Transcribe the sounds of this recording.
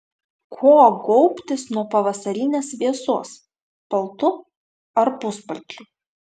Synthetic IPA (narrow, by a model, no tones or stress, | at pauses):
kʰoːɡɔʊpʲt̪ʲɪsnuɔpɐʋɐsɐɾʲɪnʲeːsʋʲiɛsuɔs | pɐlˠt̪ʊ | ɐɾpʊspɐlʲt͡ʃʲʊ